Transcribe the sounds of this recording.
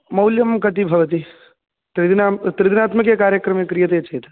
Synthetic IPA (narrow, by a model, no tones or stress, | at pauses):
mɐwljɐmkɐt̪ibʱɐʋɐt̪̬i | t̪ɾid̪inat̪ɾɪd̪inaːt̪mɐkekaːɾjəkɾɐmekɾijɐt̪et͡ʃɐɦit̪a